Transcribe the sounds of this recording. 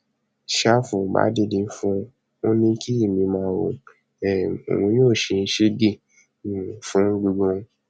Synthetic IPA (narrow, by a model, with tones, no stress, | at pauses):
ʃa˦fũ˧˨ba̰˨˦de˦˨dĩ˧˦fũ˦ | o˦nĩ˦ki˦i˦˨mĩ˧mãː˧˦wo̰˨ | ɛ˨o̰˨ɾũ˨˧˦joː˦˨ʃe˧n̩˧˦ʃe˦dĩ˦˨ | fũ˦ɡ͡bu˧ɡ͡bũ˧˦